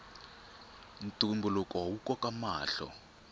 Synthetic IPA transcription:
n̩tʼumbulɔkʼawukʼɔkʼamaːɬɔ̰

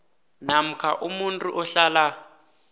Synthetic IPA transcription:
nam̩kʰaʔumuntʼuʔɔɬala

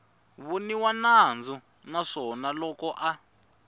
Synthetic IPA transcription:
βuniwanand͡zɔ | naʂɔnalɔkɔʔa

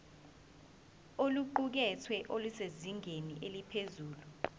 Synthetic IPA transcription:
oluǃuk̬ɛtʰwɛʔoluseziŋʱeniʔelipʰezuːlu

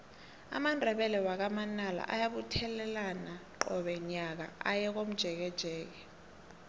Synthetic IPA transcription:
a̰mandʱɛɓɛlɛwak̬amanala̰ʔa̰jaɓutʰɛlɛlanaǃɔɓɛɲak̬a̰ajɛk̬om̩d̥ʒ̥ʱɛk̬ɛd̥ʒ̥ʱɛːk̬ɛ

